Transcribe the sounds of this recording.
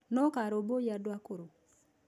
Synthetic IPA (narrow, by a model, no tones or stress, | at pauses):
nɔkaɾobojadwakoɾo